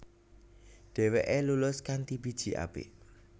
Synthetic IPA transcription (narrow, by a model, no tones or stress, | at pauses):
ɖ̪̥ɛ̤weʔelulʊskant̪ibi̤d̥ʒ̥i̤ʔa̰b̥ḛʔ